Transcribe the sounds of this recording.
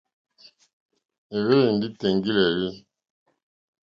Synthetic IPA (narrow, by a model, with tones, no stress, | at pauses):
e˨βe˦je˨n˨di˦tɛ˨ŋɡi˦lɛ˨li˦